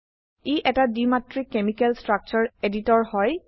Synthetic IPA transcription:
iʔɛtadimatɹikemikɛlstɹak̚t͡ʃɔɹeditɔɹhɔj

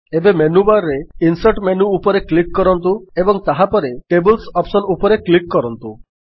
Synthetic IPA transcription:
ebemenubaɾɾeinsaɾʈmenuːpɔɾeklikːɔɾɔnt̪uebɔŋt̪aɦapɔɾeʈebɔlsɔpsɔnupɔɾeklikːɔɾɔnt̪u

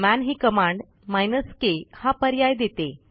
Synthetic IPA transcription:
mænɦiːkəmaɳɖ | majnəskehapəɾjajd̪et̪e

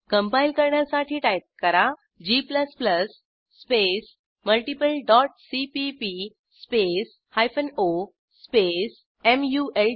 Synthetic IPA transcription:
kəmpailkəɾɳjasaʈʰiːʈajt̪̚kəɾa | d͡ʑipləspləsː | pes | məlʈipəlɖɔʈsipipi | spes | hajfəno | spes | emjuʔel

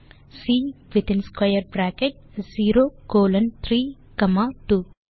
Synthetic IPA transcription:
siːʋit̪ɪ̃nskwɐjɐɾbɾaːkeʈ̚ziːɾoːkoːlɐnt̪ʰɾiː | kɐmaːʈuː

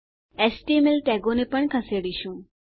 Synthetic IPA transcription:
ɛsʈimelʈɛɡonepəɳkʰəseɽiʃũː

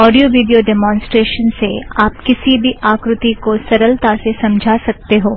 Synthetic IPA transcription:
ɔːɖijoʋiːɖijoɖɛːmɔ̃ːnsʈɾeːʃənseaːp̚kɪsibʱiaːkɾʊt̪ikosɐɾəlt̪asesɐ̃md͡ʒʱaːsɐk̚t̪eɦoː

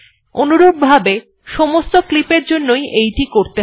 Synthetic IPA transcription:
onuɾoɡ̚bʱabe | ʃɔmost̪oklipeɾd͡ʑonːojejʈikoɾt̪e

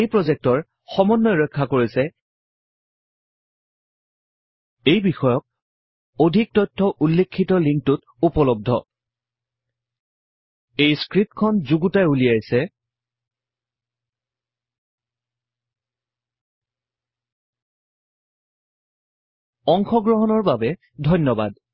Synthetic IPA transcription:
ejpɹozɛk̚tɔɹ | xɔmɔnːɔjɹɔjkʰːakoɹisɛ | ejbixɔjɔk̚ | odʱik̚tɔjtʰːɔʔulːekʰːitɔliŋk̚tut | upɔlɔb̚dʱɔ̰ | ejskɹip̚kʰɔnzuɡutajulijajsɛ | ɔŋxɔɡɹɔɦɔnɔɹbabɛ | dʱɔjnɔba̰d

